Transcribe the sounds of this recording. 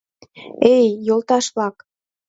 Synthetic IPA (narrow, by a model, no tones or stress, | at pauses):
ejːolˠt̪ɑʃβlɑk